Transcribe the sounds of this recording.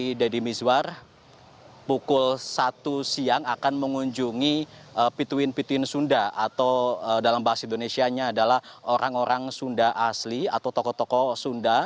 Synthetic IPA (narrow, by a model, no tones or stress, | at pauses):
idadimisuwar | pukʊlsat̪usiaŋakanməŋuɲd͡ʒuŋiʔəpit̪uɪnpit̪uɪnsundaat̪awədalambaɦasindonesiaɲaːdalahoɾʔaŋoɾaŋsundaʔaslia̰t̪awt̪ɔkɔt̪ɔkɔsunda